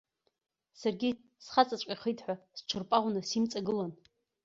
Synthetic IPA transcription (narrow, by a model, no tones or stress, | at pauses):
sarɡʲi | sχat͡sʼat͡ɕʷʼaχəjtʰʼħʷast͡ʃʷʰɨrpʼaʁʷnasimt͡sʼaɡɨlan